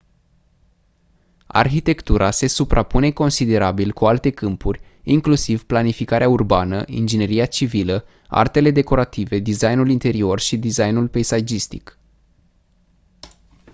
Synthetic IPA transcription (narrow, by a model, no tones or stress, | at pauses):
a̰rçit̪e̞kt̪uɾʔase̞supɾapune̞ko̞nsid̪e̞ɾabilkualt̪e̞kɨmpurʲ | iŋklusivplanifikaɾeaurbanə̰ʔḭnd͡ʒine̞ɾiat͡ʃivilə | a̰rt̪e̞le̞d̪e̞ko̞ɾat̪ive̞d̪izajnulint̪e̞ɾio̞rʃid̪izajnulpejsajd͡ʒist̪ik